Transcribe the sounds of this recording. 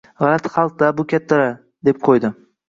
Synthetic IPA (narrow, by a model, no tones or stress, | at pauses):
ʁɑlat̪χɑlˠq̚d̪abʊkʲʰat̪ːaɾa | d̪e̞p̚qʰojd̪ɪ